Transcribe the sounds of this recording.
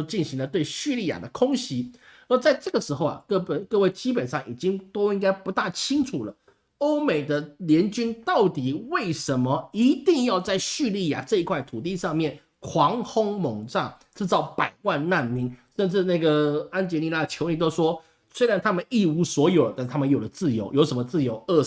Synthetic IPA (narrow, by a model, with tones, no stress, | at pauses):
o˥˧t͡ɕi˥˩nɕi˧˥ŋlə˧t̪we˥˩ɪɕy˥˧li˥˩ja̰˨˩d̪ə˦kʰʊ˥ŋɕi˧˥ | ə˞˧˥t͡sa˥˧ɪʈ͡ʂɤ˥˩ɡə˩ʂɻ̩˧˥xo˥˧ʊa̰˨˩kɤ˥˩pə˩kɤ˥˧we˥˩ɪt͡ɕi˥pə˨˩nʂɑ˥˩ŋḭ˨˩t͡ɕi˥ŋt̪o˥ʊi˥ŋka˥ɪpu˧˥t̪a˥˩t͡ɕʰi˥ŋʈ͡ʂʰu˨˩lə˦ | o˥ʊme˨˩ɪd̪ə˦ljɛ˧˥nt͡ɕy˥nt̪ɑ˥˩ʊt̪i˨˩we˥˩ɪʂə˧˥nmə˧i˧˥t̪i˥˧ŋjɑ˥˧ʊt͡sa˥˧ɪɕy˥˧li˥˩ja̰˨˩ʈ͡ʂɤ˥˧i˧˥kʰwa˥˩ɪt̪ʰu˨˩t̪̬i˥˧ʂɑ˥˧ŋmjɛ˥˩n | kʰwɑ˧˥ŋxʊ˥ŋmo˧˥ŋʈ͡ʂa̰˥˩ŋʈ͡ʂɹ̩˥˧t͡sɑ˧˥ʊpa˨˩ɪwa˥˧nna˥˩nmi˧˥ŋʂə˥˧nʈ͡ʂɻ̩˥˧na˥˩ɡə˩a˥nt͡ɕjɛ˧˥ni˥˧la˥ə˩t͡ɕʰjo˧˥ʊni˥˩t̪o˥ʊʂwɔ˥ | swe˥ɪɻa˧˥nt̪ʰa˥mə˨ni˥˩u˧˥swɔ˧˥jo˨˩ʊlə˦t̪a˥˧˥t̪ʰa˥mə˨njo˨˩ʊlə˦t͡sɹ̩˥˩jo˧˥ʊjo˧˥ʊʂə˧˥mə˧t͡sɹ̩˥˩jo˧˥ʊə˥˧